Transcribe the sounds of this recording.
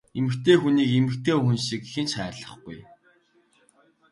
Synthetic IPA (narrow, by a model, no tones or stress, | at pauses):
emɘ̆kt̪eːxuniːkemɘ̆kt̪ʰeːɵxɘ̆nʃikixɘ̆nt͡ɕχæːrɮə̆χɡṵj